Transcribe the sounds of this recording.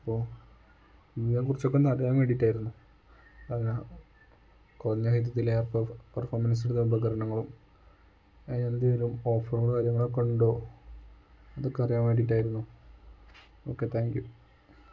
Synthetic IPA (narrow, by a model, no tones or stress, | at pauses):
ɐpːoː | iiekurit͡ɕːo̞kːenɐrɐjaːmeːɽiʈːaːjiɾunːu | ɐne | korɐɲːahid̪jɐt̪̬ːilerpːpɐrfoːrmɐns̬iɽðbɐɡɐɾɐɳɐŋːɐɭum | eɲɐnd̪eilumoːfɐrɭkaːɾjɐŋːɐɭekːoɳɖo̞ː | ɐðo̞kːe̞ɐrijaːmʋeʈiʈːaːjiɾunːu | o̞ːkːe̞t̪ʰaːŋɡju